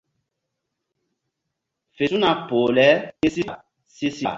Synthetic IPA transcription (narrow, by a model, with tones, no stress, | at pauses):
fe˨su˦na˨poː˨lɛ˦e˦si˦˨ | si˦sa˨